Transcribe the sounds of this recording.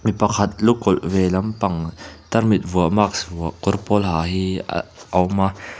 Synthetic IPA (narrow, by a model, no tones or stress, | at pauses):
mipɐkʰat̪̚lukɔlvɛlɐmpɐŋt̪ɐrmit̪̚vuəmaksvuɐʔkɔrpɔlɦaːɦiʔɔwma